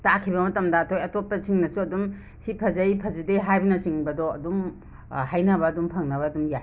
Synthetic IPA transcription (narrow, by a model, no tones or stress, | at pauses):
takʰibɐmɐtɐmdɐːtʰojɐtot̚pɐsiŋnɐsuɐdum | sipʰɐzɐjpʰɐzideɦajbɐnɐsiŋbɐdoɐ̰dum | hajnɐβɐːdumpʰɐŋnɐβɐːdumja